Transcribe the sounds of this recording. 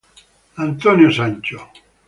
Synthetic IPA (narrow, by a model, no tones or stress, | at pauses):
ant̪onjosaɲʲt͡ʃo